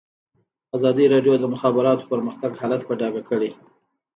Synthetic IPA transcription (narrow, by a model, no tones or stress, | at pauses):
azɑd̪iɾɑɖjod̪əmʊxɑbɪɾɑt̪o̥pəɾməxt̪aɡhɑlat̪paɖɑɡakəɽe